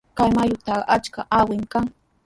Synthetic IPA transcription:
kajmajʊt̪aɢʔat͡ʃkaʔawɪmkaŋ

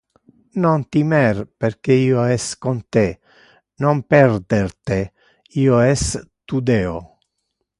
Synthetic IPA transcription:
nont̪imɛɾpeɾkeiːoɛskont̪e | nompɛɾd̪eɾt̪e | iːoɛst̪ud̪eːo

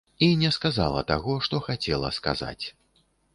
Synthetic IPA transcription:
inʲɛskaza̰lˠɐ̰t̪aɣɔʂt̪ɔxat͡sʲɛlˠɐ̰ska̰za̰t͡sʲ

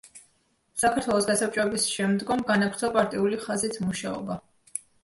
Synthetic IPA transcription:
sakʰaɾt̪ʰwɛlˠɔsɡasap̚t͡ʃʼɛbisʃɛmd̪ɡɔmɡanapʰɾt̪ʰɔpʼaɾt̪ʼiuliχazit̪ʰmuʃaɔ̰ba

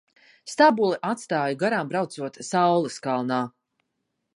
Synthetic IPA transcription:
st̪abulˠɛʔat̪st̪aːjuɡaɾaːmbɾawt̪suɔt̪sawlˠɨskalˠnaː

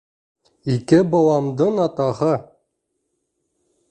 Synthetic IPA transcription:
ikɘbɑwɑmd̪ɤɴɑt̪ɑhɤ

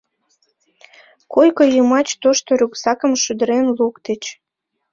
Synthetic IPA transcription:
kojkəjəmɑt͡ɕt̪oʃt̪oɾyksɑkə̆mʃyd̪əɾenlukt̪et͡ɕ

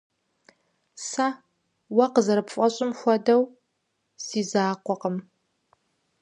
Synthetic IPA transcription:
sa | wɐqəzɐɾɨpfʼɐɕʼɪmxʷɔdɐw | siːzaːqʷɔqəm

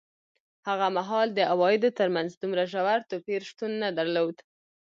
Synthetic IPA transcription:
haɣamaɦɑld̪əʔawɑjɪd̪ot̪əɾmanzd̪umɾaʒawaɾt̪opeɾʃt̪unːad̪aɾlod̪

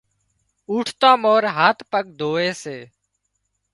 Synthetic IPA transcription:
uːʈʰt̪ãːmoːɾɦaːt̪pəɠ̚d̪ʱoːeːseː

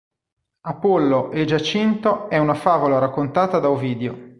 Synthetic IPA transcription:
apɔlːoʔed͡ʒat͡ʃint̪oɛunafaːvolaɾakːont̪aːt̪ad̪aoviːd̪eo

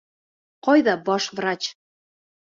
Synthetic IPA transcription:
qɒjðɑbɑʃvrɑt͡ɕ

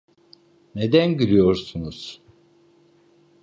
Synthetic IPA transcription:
ned̪ænɟylʲijoɾsunuz̥

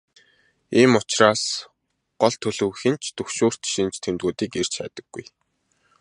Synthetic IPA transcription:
iːmʊt͡ɕraːs | ɢ̥ɔɮt̪ʰɵɮɵ̆wxĭnt͡ɕʰt̪ɵxʃoːr̥t̪ʃint͡ɕt̪ʰemt̪ɣuːt̪iːker̥t͡ɕæ̰ːt̪ə̥̆ɡ̥ːṵj

